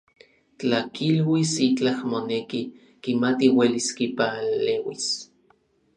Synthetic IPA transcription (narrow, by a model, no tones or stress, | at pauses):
t͡ɬakilwisit͡ɬahmoneki | kimat̪iweliskipalewis